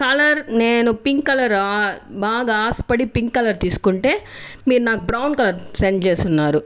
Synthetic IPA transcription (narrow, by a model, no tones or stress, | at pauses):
kɐlɐɾne̞ːnupiŋkkɐlɐɾabaːɡaːaːsɐ̥pɐɽipiŋkkːɐlɐɾt̪iːsu̥kuɳʈe̞ːmiːɾunaːkubɾɐwɳɖkɐlɐɾsent͡ʃe̞ːst̪unːaːɾu